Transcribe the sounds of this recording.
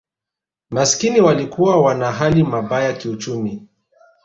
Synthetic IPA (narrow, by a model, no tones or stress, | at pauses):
maskiniwalikuwawanaɦalimaɓajakiut͡ʃumi